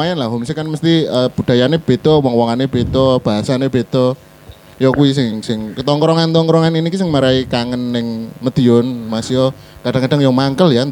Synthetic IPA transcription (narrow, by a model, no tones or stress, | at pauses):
ajanlahɦumsikanməst̪iəb̥ṳd̥a̤janeb̥e̤t̪ɔwɔŋwɔŋaneb̥et̪ɔb̥a̤ɦasaneb̥e̤t̪ɔ | jɔkuis̬ɪŋsɪŋkət̪ɔŋkɾɔŋant̪ɔŋkɾɔŋaninikisɪŋmaɾaikaŋənːɪŋmət̪ionmasiɔ | kaɖ̥aŋkaɖ̥aŋjɔmaŋkəljan